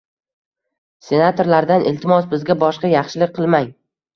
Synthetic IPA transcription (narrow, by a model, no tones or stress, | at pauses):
se̞nat̪ʰo̞ɾlaɾd̪anʔɪlt̪ʰɪmɒsbɪzɡʲabɒʃqɑjɑχʃɪlɪk̚ʲqʰɨlˠmaj